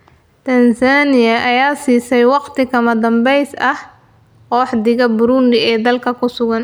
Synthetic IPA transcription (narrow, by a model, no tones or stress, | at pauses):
t̪ʰɐnsaːnɪjɐʔɐjaːsiːsɛjwɑqt̪ʰɪkʰɐmɐd̪ɐmbɛjsɐh | kɔːħd̪ɪɣɐbʊɾuːnd̪ɪɛːd̪ɐlkʰɐkʰʊsʊɣɐn